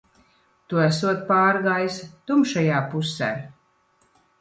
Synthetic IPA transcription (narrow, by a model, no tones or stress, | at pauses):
t̪uæsuɔt̪̚paːɾɡaːjst̪umʃajaːpusɛ̰ː